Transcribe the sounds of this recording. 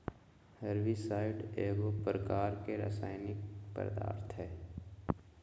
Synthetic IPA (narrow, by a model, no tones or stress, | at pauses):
həɾʋisaːɪɖeːɡopɾəkaːɾkeɾa̰ːsaːɪnɪk̚pə̰ɾd̪a̰ːɾt̪ʰɦɛː